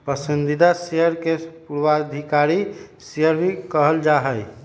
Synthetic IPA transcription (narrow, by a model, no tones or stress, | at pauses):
pəsənd̪id̪asejəɾkepuɾwad̪ʱikaɾi | seəɾbʱikəɦəld͡ʒaɦəj